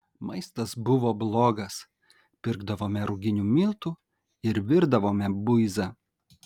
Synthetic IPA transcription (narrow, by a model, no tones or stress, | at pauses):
mɐɪst̪ɐsbʊʋoːblˠoːɡɐs | pʲɪɾɡd̪ɐʋoːmʲɛɾʊɡʲɪnʲuːmʲɪlˠt̪uː | ɪɾʋʲɪɾd̪ɐʋoːmʲɛbʊɪzɐ